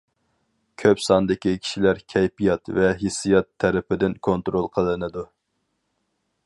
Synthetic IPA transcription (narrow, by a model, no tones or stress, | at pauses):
kʲʰøpsɑnd̪ɪkʲikʲʰi̥ʃilæɾkʲʰɛjpijɑt̪vɛɦisijɑt̪ʰːɛɾɪpɪd̪ɪnkʰont̪ɾolˠqʰəlˠːɨnɨd̪u